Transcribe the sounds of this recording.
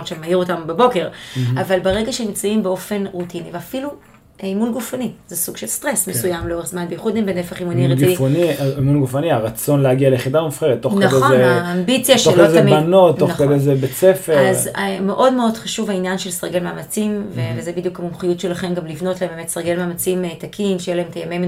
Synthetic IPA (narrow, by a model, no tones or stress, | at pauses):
ot͡ʃʃemaiʁotambebo̞ke̞ʁavalbeʁeɡaʃemimt͡saimbeo̞fe̞nʁutiniveafilu | munɡufanizesuɡ̥ʃelstʁesmesujamleo̞ʁeχzmanbejiχud̪nimvenefaχimuniʁɡuifonimunɡufaniaʁat͡so̞nleaɡialeχidamafχeʁet̪ːoχnaχezeːmbit͡sjaʃolazemianotːonkalezebet͡sefeazmeʔo̞dmeod̥χaʃuvhainjanʃelsaʁɡelmaːmat͡simvevezebid̪jukamumχijutʃelaχe̞mɡamlivno̞tlaembemet̪saʁɡe̞lmaːmat͡simtakʰinʃejelahemetajamejm